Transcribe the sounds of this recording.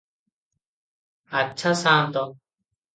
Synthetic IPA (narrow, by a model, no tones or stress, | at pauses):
ɐtːʃʰasaːmt̪ɔ